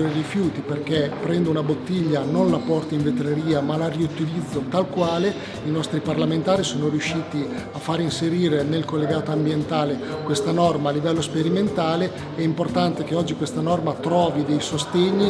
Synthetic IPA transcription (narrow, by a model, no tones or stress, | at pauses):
rifjuːt̪iperk̟epɾɛnd̪ounabot̪ːiʎːanonlapɔrt̪aiɱvet̪ɾeɾiːamalariut̪ilid̪zːot̪alkwaːle | inɔst̪ɾiparlament̪aːɾisoːnoɾjuʃːiːt̪iafːaɾinseɾiːɾenelkolːeɡaːt̪oambjent̪aːlekwest̪anɔrmaːlːivɛlːospeɾiment̪aːle | ɛimport̪ant̪ek̟eɔd͡ʒːikwest̪anɔrmat̪ɾɔːvid̪ejsost̪eɲːi